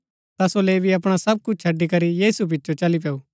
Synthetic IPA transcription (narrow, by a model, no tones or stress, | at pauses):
t̪asoleːbʱiɐpɽ̃asɐb̚kʊt͡ʃʰt͡ʃʰɐɖːikɐɾijiːsup̬ɪtːt͡ʃot͡ʃɐlip̬eːuː